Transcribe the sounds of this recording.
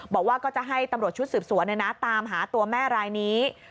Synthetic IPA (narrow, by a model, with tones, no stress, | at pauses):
bɔː˨˩k̚waː˥˩kɔː˥˩t͡ɕa˨˩ɦa˥˩jt̪a˧mɾu˨˩ət̪̚t͡ɕʰu˦˥t̪sɯː˨˩p̚su˨˩˦ənːa˧jna˦˥t̪aː˧mɦaː˩˦t̪u˧ɐmɛː˥˩ɾaː˧jniː˦˥